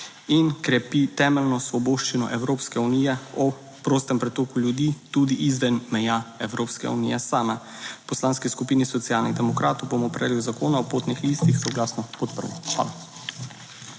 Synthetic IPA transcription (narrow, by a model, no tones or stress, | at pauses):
inkɾɛpit̪ɛːmɛlnɔsʋɔboːʃt͡ʃinɔ̰ʔɛwɾoːpskɛunijɛɔ | pɾoːst̪ɛmpɾɛt̪oːkuljud̪it̪ud̪iʔizʋɛnmɛjaɛwɾoːpskɛ̰unḭjɛsaːma | pɔslaːnskiskupiːnisɔt̪siaːlnid̪ɛmɔkɾaːt̪ɔwbomɔpɾɛ̰liwzakoːnaɔpot̪nixliːst̪ixsɔɡlaːsnɔpɔt̪pəɾlixʋa̰la